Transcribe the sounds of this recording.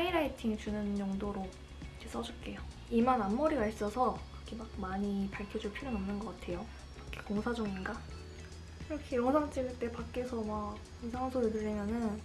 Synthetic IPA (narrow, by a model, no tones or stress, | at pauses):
pʰaiɾaitʰiŋit͡ɕunɯnd͡ʑoŋdoɾo | d͡ʑʰes͈ʌd͡ʑuɭk͈e̞jo | imananːoɾiɡais͈ʌsʰʌkɯɾʌkʰemak̚maɲipaɭkʰjʌd͡ʑuɭpʰiɾjonʌmnɯnɡʌk͈atʰe̞jo | kʰekoŋsʰad͡ʑʌŋinɡa | iɾʌkʰejʌnʰaŋt͡ɕ͈iɡɯɭt͈e̞pak͈̚e̞sʰʌmak | isʰaŋansʰoɾɯdɯɭːʌmjʌnɯn